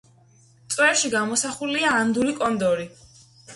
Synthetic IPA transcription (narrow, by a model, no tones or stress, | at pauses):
t̪sʼwɛɾʃiɡamɔsaχuliaːnd̪uɾikʼɔnd̪ɔɾi